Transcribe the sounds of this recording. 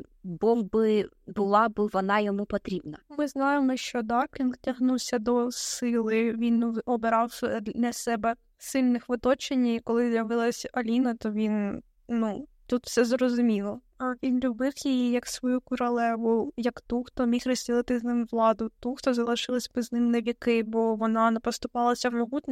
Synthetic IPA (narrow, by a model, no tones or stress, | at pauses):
bɔwbɪ | bʊlˠɑbɪʋɔnɑjɔmupɔt̪ɾʲibnɐmɪznɑjemɔʃt͡ʃɔd̪ɑkʲinɡtʲɐɦnuwsʲɐd̪ɔsɪlˠɪʋʲinɔbɪɾɑwsnɛsɛbɛ | sɪlʲnɪxʋɪt̪ɔt͡ʃenʲikɔlˠɪzʲjɐʋɪlˠɐsʲɐlʲinɐt̪ɔʋʲin | nut̪ut̪wsɛzɾɔzʊmʲilˠɔ | ɐʋʲinlʲʊbɪwjijijɐksʋɔjukɔɾɐlˠɛʋʊjɐkt̪uxt̪ɔmʲixrɔzʲdʲilˠɪt̪ɪznɪmʋlˠɑd̪ʊt̪uxt̪ɔzɐlˠɪʃɪlˠɐsʲbɪznɪmnɛʋʲikɪbɔʋɔnɑnɛpɔst̪ʊpɑlˠɐsʲɐwmɔɦut̪ʲnʲɔ